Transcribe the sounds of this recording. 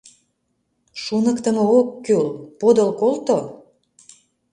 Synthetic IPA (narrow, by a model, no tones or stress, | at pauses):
ʃunəkt̪ə̆mookːølpod̪əlkolt̪o